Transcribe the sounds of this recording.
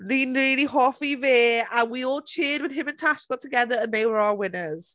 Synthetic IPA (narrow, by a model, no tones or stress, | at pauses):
ɹĩːnɹɪːliɦɔˑfiveːə̃nwiɔːlˠt͡ʃʰɪːd̚wɪð̥ɪ̃mə̃ntʰaskɔtʰəɡɛðəɹə̃nðeɪwəɹaʊəwɪnəz̥